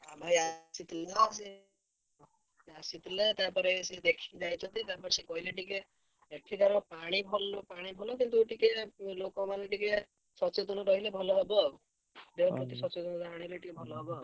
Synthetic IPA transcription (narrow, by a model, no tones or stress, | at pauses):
abʱajasit̪leɔse | asit̪let̪apɔɾesed̪ekʰid͡ʒajt͡ʃʰɔt̪it̪apɔɾesekɔɦileʈik̬eː | ʈʰid̪aɾɔpaɽ̃ibʱɔlɔpaɽ̃ibʱɔlɔkint̪̬ueʈikelokɔmaneʈike | sɔt͡ʃet̪ɔnɔɾɔɦilebʱɔlɔɦebɔ | d̪ebɔpɾɔt̪isɔt͡ʃet̪ɔnɔd̪aɽ̃ileʈikebʱɔlɔɦebɔ